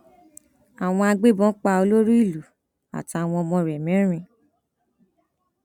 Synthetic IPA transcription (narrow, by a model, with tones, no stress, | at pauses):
a˨w̃ɔ̃˧a˧ɡ͡be˦bɔ̃˦k͡pa˧o˧lo˦ɾu˦i˦˨lu˨ | a̰˨ti˨˧a˨w̃ɔ̃˧ɔ˧mɔ̃˧ɾɛ˨mɛ̃˨˦ɾ̃ĩ˧